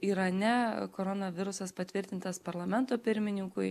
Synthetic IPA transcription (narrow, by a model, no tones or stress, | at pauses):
iːɾɐnʲɛkoːɾonɐʋʲɪɾʊsɐspɐt̪ʲʋʲɪɾʲt̪ʲɪnt̪ɐspɐɾlˠɐmʲɛnt̪oːpʲɪɾʲmʲɪnʲɪŋkʊɪ